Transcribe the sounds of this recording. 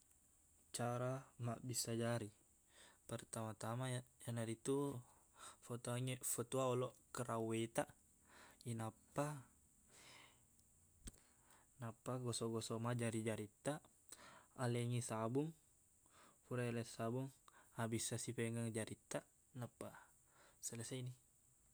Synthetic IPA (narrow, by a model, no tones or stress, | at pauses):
t͡ʃaɾamaʔbisad͡ʒaɾi | pərt̪amat̪amajanaɾit̪u | fot̪oaŋɛfɔt̪uaɔlɔkəɾawet̪a | inapːa | napːaɡɔsɔɡɔsɔmad͡ʒaɾid͡ʒaɾit̪ːaː | lɛŋisabuŋ | fuɾaɛlɛsabuŋabisasipɛŋɡaŋd͡ʒaɾit̪ːa | napːa | sələsaini